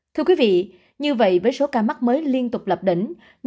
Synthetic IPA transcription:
t̪ʰɨ˧əkwi˨˦vḭ˧˨ | ɲɨ˧və̰˧˨jvəː˨˦jso˨˦kaː˧˩ma˦˥k̚məː˨˦jli˧ənt̪ʊ˨˩k͡p̚lə˨˩p̚ɗi˧˩ŋ̟ | ɲ

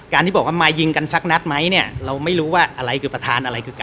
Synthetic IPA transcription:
kaː˧nt̪iː˥˩ɔ˨˩k̚wa˥˩maː˧jːɯ˧ŋka˧nsa˦˥k̚na˦˥t̪̚ma˦˥jni˥˩ɐɾa˧wma˥˩jɾuː˦˥waː˥˩ʔa˧ɾa˧jkʰɯː˧pɾa˧t̪ʰaː˧nʔa˧ɾa˧jkʰɯː˧ka˧

